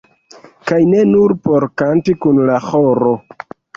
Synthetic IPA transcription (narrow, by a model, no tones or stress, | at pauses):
kajne̞nuɾpo̞ɾkantikunlaxoɾo